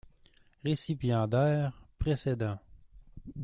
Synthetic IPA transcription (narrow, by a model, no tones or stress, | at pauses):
ʁesipjɑ̃d̪ɛːʁpχesed̪ɑ̃